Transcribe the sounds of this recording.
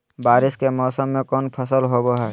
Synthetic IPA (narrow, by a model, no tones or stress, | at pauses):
baːɾɪskemɔːsəmːẽkɔːnpʰəsəlɦoboɦɛː